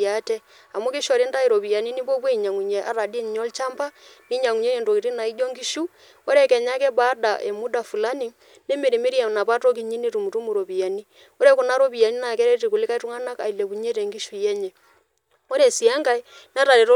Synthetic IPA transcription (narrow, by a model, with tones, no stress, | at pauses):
a˦tɛ˦ | a˨mu˦ki˦ʃɔ˨ɾi˦nda˦i˨ɾo˨βi˨ja˨ni˦ni˦bɔ˦k̬we˦i˨ɲa˨ŋu˨ɲɛ˨ʔa̰˨ɾa˨di˦n˨ɲɔ˦lt͡ʃa˦mba˦ni˦ɲa˨ŋu˨ɲe˦e˨ndo˨i˨ɾi˦na˨i˦d͡ʒɔ˦ŋɡi˦ʃu˦ | ɔ˦ɾɛ˦˨kɛ˨ɲa˦kɛ˦ba˦da˨ʔe˨mu˦da˨fu˨la˦ni˨ŋ | ne˦me˨ɾi˨me˦ɾi˦a˨na˨pa˦to˦k̬i˦ɲi˦ni˦ɾu˨mu˨tu˦mu˨ɾo˨bi˨ja˨ni˦ | ɔ˦ɾɛ˦ku˨na˦ɾo˦bi˨ja˨ni˦na˨kɛ˦ɾɛ˦ti˨ku˨lɪ˦ka˦i˦tu˦ŋa˦na˦ka̰˨i˨le˨ku˨ɲe˦tɛ˨ŋɡi˦ʃu˨jɛ˦ɲɛ˨ | ɔ˦ɾɛ˨si˨a˦ŋɡa˦˨i˦ | n˦a˦ɾa˨ɾe˨ɾ